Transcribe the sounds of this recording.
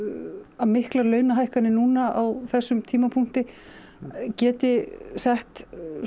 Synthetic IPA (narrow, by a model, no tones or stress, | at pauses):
amɪhklaɾlœːɥnaɦajhkanɪnuːnaawθɛsːʏmt̪ʰiːmapʰuŋ̥t̪ɪ | cɛːt̪ɪsɛht̪